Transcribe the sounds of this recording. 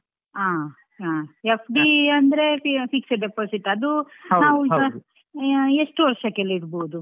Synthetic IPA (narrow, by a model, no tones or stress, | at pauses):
aː | aepʰɖiɐnd̪ɐɾefiksɐɖepoːsiʈɐd̪unaːʋuɐ | eʂʈuʋɐɾʃɐkeliɾboːd̪u